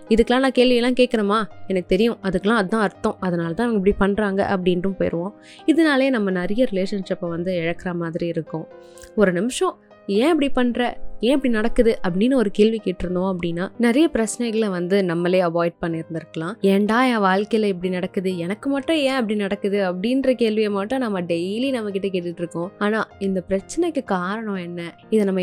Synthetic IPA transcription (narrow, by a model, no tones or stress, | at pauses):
ɪðɯkːɐlãːnãːkeːlʋɪjɐlːãːkeːkːɐɾɐmaːɛnɐkːɯt̪ɛɾɪjʊ̃ʔɐðɯkːɐlãːɐðɯt̪ãːɐɾt̪ːõɐðɐnaːlɐt̪ãːɛʋɐɡɐɛp̬ːɐɽipɐɳːɾaːŋɡɐ̰ʔɐ̰p̬ːɐɽɪnrɯ̃mpoːjɪ̰ɾɯʋõː | ɪðɐnaːleːnɐmːɐnɐɾɐjɐɾɪleːʂɐnʂɪpːɐʋɐnd̪ɯɛɻɐkːɐɾamaːðɪɾiɪɾɯkːʊ̃ | ɔɾɯnɪmɪʂɐ̃ | ẽːɪp̬ːɐɽipɐɳːɾɐẽːɪp̬ːɐɽinɐɽɐkːɯðɯʔɐpːɐɽinːɐɔɾɯkeːlʋikeːʈːɪɾɯnd̪õːɐp̬ːɐɽɪnːaːnɛɾɐjɐpɪɾɐt͡ʃːnɛɪɣɐɭʋɐnd̪ɯnɐmːɐleːɐʋaːɪɖ̚pɐɳːɪɾɯnd̪ɪɾɯkːɐlãːɛɳɖaːjaːʋaːɻkɐjɪlɐɪp̬ːɐɽinɐɽɐkːɯðɯɛnɐkːɯmɐʈːʊ̃jẽːɐp̬ːɐɽinɐɽɐkːɯðɯɐpːɐɽinɾɐkeːlʋɪɐmaːʈːʊ̃nɐmːɐɖɛjlinɐmːɐk̬ːɪʈːɐkeːʈːɪʈːɾɯkːʊ̃aːnaːɪnd̪ɐpɪɾɐt͡ʃːɐnɛɪkːɯkaːɾɐɳɔ̃ɛnːɐ | ɪðɐnɐmːɐ